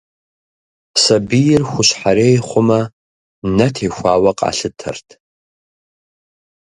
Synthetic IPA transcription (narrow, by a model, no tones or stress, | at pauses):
sɐbijɪrxʷʊɕħaɾeːjχʷʊmɐ | nɐtʰeːxʷaːwɐqʼa̰ːɬɨtʰɐ̰rtʰ